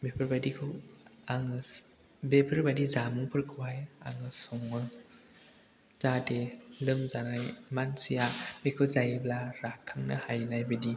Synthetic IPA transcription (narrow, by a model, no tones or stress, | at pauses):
bepʰɯɾbadikʰɯwaŋɯ | bepʰɯɾbadizamɯŋpʰɯɾkʰɯwaja̰ŋɯsɔŋːɯ | zatelɯmzanajmansijamekʰɯwzajblaɾakʰːaŋnɯ̰hajnajbɯdi